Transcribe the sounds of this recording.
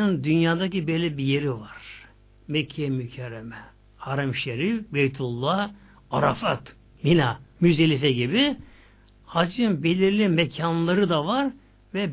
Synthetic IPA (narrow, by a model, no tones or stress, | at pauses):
ɯnd̪ynjaːd̪acibejlʲːɛbijeɾivaɾ̥ | mɛcʰːɛmycʰɛɾːɛmɛ | haɾamʃeɾifbejt̪ʰulˠːah | aɾafat̪ | minamyzelʲifɛɟibi | had͡ʒɯmbelʲiɾlʲimɛcʰanlˠaɾɯd̪avaɾ | vɛb